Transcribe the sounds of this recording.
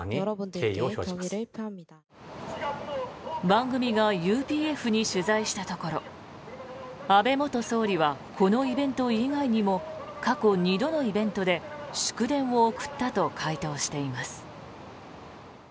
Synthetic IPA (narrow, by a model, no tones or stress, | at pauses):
o | bãŋɡɯ̟mʲiɡajɯːpʲiːe̞ɸɯ̟ɲ̟iɕɨzaiɕi̥t̪at̪o̞ko̞ɾo̞ | abe̞mo̞t̪o̞so̞ːɾʲiβakʰo̞no̞ibẽ̞nt̪o̞iɡaiɲ̟imo̞kako̞ɲ̟id̪o̞no̞ibẽ̞nt̪o̞d̪e̞ɕɨ̥kɯ̟d̪ẽ̞ɰ̃oːkɯ̟̥t̪ːat̪o̞kʰait̪o̞ːɕi̥t̪e̞imasɨ̥